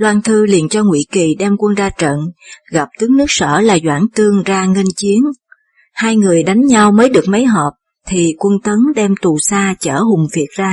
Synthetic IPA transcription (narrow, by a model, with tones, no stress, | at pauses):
lwaː˧nt̪ʰɨ˧lḭ˨ənt͡ɕɔ˧ŋwḭ˧˥ki˨˩ɗɛ˧mkwə˧nzaː˧t͡ɕə̰˧˨nɣa˨˩p̚t̪ɨ˨˦əŋnɨ˦˥ək̚sə̰ː˧˩laː˨˩zwaː˧˩ŋt̪ɨ˧əŋzaː˧ŋə˧nt͡ɕi˨˦ən | haː˧jŋɨ˨˩əjɗa˨˦jŋ̟ɲa˧wməː˨˦jɗɨ˨˩ək̚mə˨˦jɦɔ˨˩p̚ | t̪ʰi˨˩kwə˧nt̪ə˨˦nɗɛ˧mt̪u˨˩saː˧t͡ɕə̰ː˧˩hʊ˨˩ŋ͡mvi˨˩ət̚zaː˧